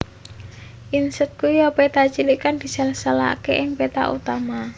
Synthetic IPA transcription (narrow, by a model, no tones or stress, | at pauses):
ʔinsət̪̚kujɔpet̪at͡ʃilikand̪̥i̤salsala̰keʔɪŋpet̪a̰ʔṵt̪ama